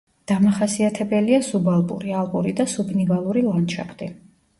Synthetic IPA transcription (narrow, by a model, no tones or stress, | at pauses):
d̪̥amaχasiat̪ʰɛbɛliazubalˠpʼṵɾialˠɡʼuɾid̪asubnivalˠuɾilˠanʃʰa̰pʰt̪ʼi